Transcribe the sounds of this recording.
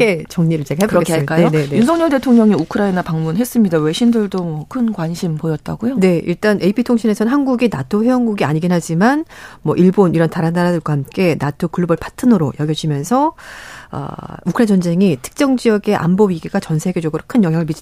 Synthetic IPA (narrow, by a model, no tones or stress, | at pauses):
et͡ɕʌŋɲiɾɯɭt͡ɕeɡaɦabkoɾɡeamːk͈ajonenejunsʰʌŋɲʌɭde̞tʰoŋɲʌŋiukʰɯɾainapaŋmunɦe̞s͈ɯmɲidawe̞ɕʰindɯɭdomwʌkʰɯnkwanɕʰimpojʌt̚t͈a̰ɡojone̞ḭɭt͈anʔeipʰitʰoŋɕʰine̞sʰʌnɦanɡuɡinatʰoɸeʌnɡuɡia̰ɲiɡinɦad͡ʑimanmwʌʔiɭboniɾʌntaɾanaɾadɯɭɡwahamk͈e̞natʰokɯɭubɯɭpʰḁtʰɯnɯɾojʌɡjʌd͡ʑimjʌnsʰʌ | ʌ̰ukʰɯɾaint͡ɕʌnd͡ʑe̞ŋitʰɯ̥k̚t͡ɕ͈ʌŋd͡ʑijʌɡe̞ʔa̰mbowɥiɡiɡat͡ɕʌnsʰe̞ɡe̞d͡ʑʌɡɯɾokʰɯnjʌŋɦjaŋɯɭmid͡ʑ